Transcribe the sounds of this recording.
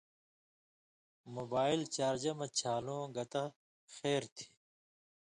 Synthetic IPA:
moːbaːilt͡ɕaːɾd͡ʑɐmɐt͡ɕʰaːlõːɡɐt̪ɐ | xeːɾt̪ʰi̥

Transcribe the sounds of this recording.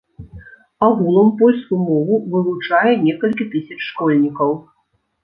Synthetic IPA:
aɣulˠɐmpɔlʲskumɔvuvɨlˠut͡ʂajɛnʲɛkɐlʲkʲit̪ɨsʲɐt͡ʂʂkɔlʲnʲikɐw

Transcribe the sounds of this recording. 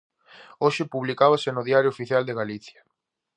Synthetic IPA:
oʃɪpuβlikaβasenʊðiaɾjofiθjald̪eɣaliθja

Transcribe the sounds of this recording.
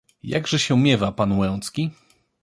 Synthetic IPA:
ja̰ɡʐɛɕɛmʲjɛvapanwɛ̃w̃t̪skʲi

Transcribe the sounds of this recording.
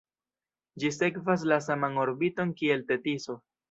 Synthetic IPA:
d͡ʒise̞kvas̬las̬amano̞ɾbito̞nkie̞lte̞tiso̞

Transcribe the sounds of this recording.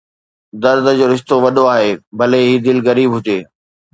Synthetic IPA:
d̪ɐɾd̪ʱəd͡ʑoːɾɪʃt̪oʋɐɗoaːɦeːbʱɐleɦiːd̪ɪlɣɐɾiːbɦʊd͡ʑeː

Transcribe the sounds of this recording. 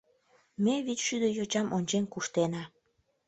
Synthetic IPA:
meβit͡ɕʃyd̪əjot͡ɕɑmʔonʲt͡ɕenkuʃt̪enɑ

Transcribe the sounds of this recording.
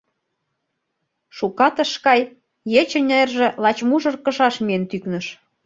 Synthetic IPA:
ʃukɑt̪ə̆ʃkɑj | jet͡ɕə̆nʲeerʒĕlɑt͡ɕmuʒɤ̆rkə̆ʃɑʃmient̪yknə̆ʃ

